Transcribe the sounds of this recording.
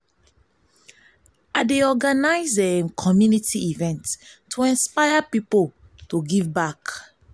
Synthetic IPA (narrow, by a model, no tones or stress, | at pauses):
adeɔɡanaɪzɛ̃kʰɔmjunitʰiivɛ̃ntʰːuɛ̃nspajapipol | toɡivbak